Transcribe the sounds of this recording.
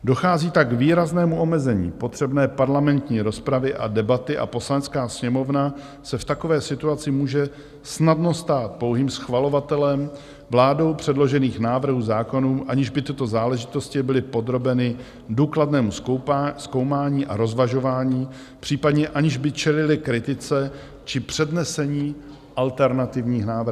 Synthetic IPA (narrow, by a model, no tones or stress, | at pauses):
do̞xaːziːt̪aɡviːɾaznɛːmuʔo̞mɛzɛɲḭːpot̪r̥ɛbnɛːpaɾlamɛnt̪ɲiːɾo̞spɾavɪʔa̰dɛbat̪ɪʔa̰po̞slanɛt͡skaːsɲɛmo̞vna | sɛft̪ako̞vɛːsɪt̪uat͡sɪmuːʒɛ | snadno̞st̪aːt̪̚po̞wɦiːmsxvalo̞vat̪ɛlɛm | vlaːdo̞wpr̥ɛdlo̞ʒɛniːxnaːvr̩ɦuːzaːko̞nuːʔaɲɪʒbɪt̪ɪt̪o̞zaːlɛʒɪt̪o̞scɪbɪlɪpo̞d̪ɾo̞bɛnɪ | duːkladnɛːmusko̞wmaːɲiːʔa̰ɾo̞zvaʒo̞vaːɲiː | pr̥iːpadɲɛʔaɲɪʒbɪt͡ʃɛlɪlɪkɾɪt̪ɪt͡sɛ | t͡ʃɪpr̥ɛdnɛsɛɲiː | ʔalt̪ɛɾnat̪ɪvɲiːxnaːvɾ